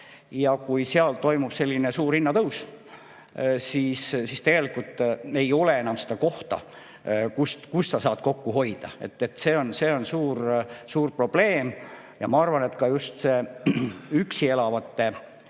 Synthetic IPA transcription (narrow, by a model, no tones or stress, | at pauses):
jɑkujseɑlt̪o̞jmub̥se̞lʲːinesuːrinːɑt̪ɤws | siːssist̪e̞ɡ̥e̞likult̪ːˑe̞jo̞lee̞nɑmsed̪ɑko̞ht̪ɑ̰ | kust̪kussɑsɑːt̪ko̞kːuɦo̞jd̪̥ɑ̰e̞̰t̪ːˑet̪se̞ːo̞nse̞ːo̞nsuːrsuːrpro̞b̥le̞ːm | jɑmɑɑrvɑne̞t̪kɑjust̪se̞ | yksie̞lɑvɑt̪ːe̞